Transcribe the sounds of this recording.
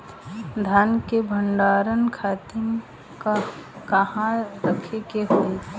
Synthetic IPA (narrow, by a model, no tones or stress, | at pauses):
d̪ʱaːnkebʱəɳɖaːɾənkʰaːt̪ɪm | kakɐhãɾəkʰekeɦoe